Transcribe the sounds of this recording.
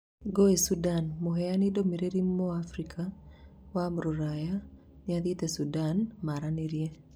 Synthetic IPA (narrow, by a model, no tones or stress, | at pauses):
ɡoesudanmoɦejanidomiɾeɾimːoafɾikʰawamɾuɾaja | nɪaðit̪esudanmaɾaneɾje